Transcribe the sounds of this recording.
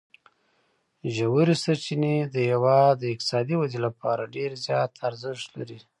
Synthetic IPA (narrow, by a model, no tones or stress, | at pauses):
ʒawuɾisaɾt͡ʃined̪əjawɑd̪əɪk̚t̪ɪ̥sɑd̪iwazilapɑɾaɖeɾzjɑt̪ʰaɾzɪʃt̪la̰ɾi